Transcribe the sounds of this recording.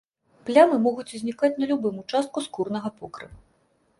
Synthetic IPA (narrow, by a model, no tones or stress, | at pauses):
plʲamɨmɔɣut͡sʲzʲnʲikat͡sʲnɐlʲubɨmut͡ʂast̪̚kuskurnɐɣɐpɔkɾɨ̰